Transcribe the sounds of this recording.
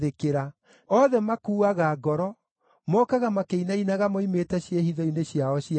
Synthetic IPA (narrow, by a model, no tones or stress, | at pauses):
ðekeɾa | ɔːðɛmakuːaɣaɡɔɾɔ | mɔːkaɣamakeinainaɣamoimeːtɛɕjehiðɔineɕiaɔɕi